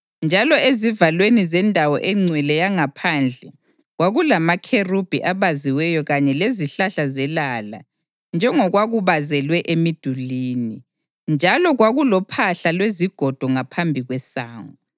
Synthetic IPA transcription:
nd͡ʒʱalɔezivalwenizɛndʱawɔ̰ʔɛŋ͡ǀʱwilɛjaŋapʰand͡ɮʱɛ | ɣwaɣulamakʰerub̥ʱiʔaβaziwɛjɔɣaɲɛleziɬaɬazɛlala̰ | nd͡ʒʱɛŋɔɣwaɣuβazɛlwɛʔemid̥ʱuliːni | nd͡ʒʱalɔɣwaɣulɔpʰaɬalweziɡ̥ʱɔd̥ʱɔŋapʰambʱiɣwɛsaːŋɔ

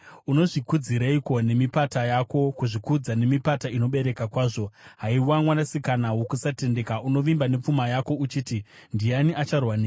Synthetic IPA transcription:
uno̞ʐikud͡ziɾaiko̞ne̞mipatajako̞kuʐikud͡zane̞mipataino̞ɓe̞ɾe̞kakwaːʐo̞ɦaiwamwanasikanawokusate̞nde̞kauno̞ʋimbane̞p͡fumajako̞ut͡ʃiːtindianiʔat͡ʃarwaneː

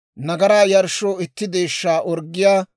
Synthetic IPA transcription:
nɐɡɐɾaːjɐɾʃoːɪt̪ːɪd̪e̞ːʃːaːʔɔɾɡːɪjaː

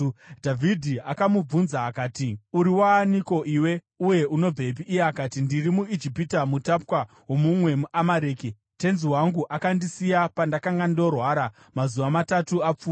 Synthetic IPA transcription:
dʱavʱidʱiakamub͡vunzaːkaːtiuɾiwaːniko̞ʔiːwe̞ | uje̞ʔuno̞b͡vep̬iːjeakaːtindirimuid͡ʒipitamutap̚kwa | ɦwo̞mumwe̞muʔamaɾeːki | te̞nziwaŋɡuʔakandisijapandakaŋɡando̞rwaːɾa | mazuʋamatatuap͡fuː

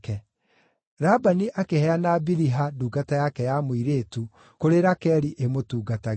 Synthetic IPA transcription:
kɛ | ɾabaniʔakehɛanabiɾiɦaduːɡatajakɛjamoiɾetu | koɾeɾakɛɾiʔemotuːɡataɣ

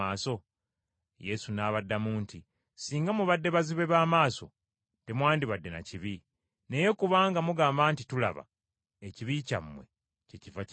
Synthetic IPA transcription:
aːso̞ | je̞sunaːβadːamuːnti | siːŋɡamuβadːe̞βaziβe̞βaːmaːso̞̰ | te̞mwaːndiβadːe̞na̰ciβi | ne̞je̞kuβaːŋɡamuɡaːmbaːntitula̰βa̰ | eciβica̰mːwe̞̰ | ceciva

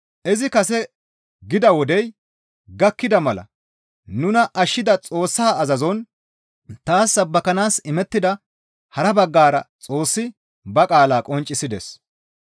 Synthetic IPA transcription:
ʔɛzɪkɐsɛ | ɡɪd̪ɐwɔd̪ɛj | ɡɐkːɪd̪ɐmɐlɐ̰ | nʊnɐʔɐʃːɪd̪ɐt͡sʼo̞ːsːaːɐzɐzɔn | t̪aːsːɐbːɐkɐnaːsɪmɛt̪ːɪd̪ɐ | hɐɾɐbɐɡːaːɾɐt͡sʼo̞ːsːɪ | bɐkʼaːlaːkʼɔnt͡ʃʼːɪsɪd̪ɛ̰s

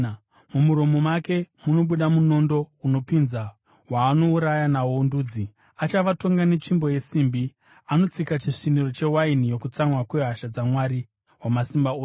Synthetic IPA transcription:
mumuɾo̞mo̞make̞muno̞ɓuɗamuno̞ndo̞uno̞pinza | waːno̞uɾajanawonduːd͡zi | at͡ʃaʋato̞ŋɡane̞t͡ʃimbo̞je̞siːmbi | ano̞t͡sikat͡ʃiʂiniro̞t͡ʃe̞wainijo̞kut͡samwakwe̞ɦaʃad͡zamwaɾi | wamasimbaoː

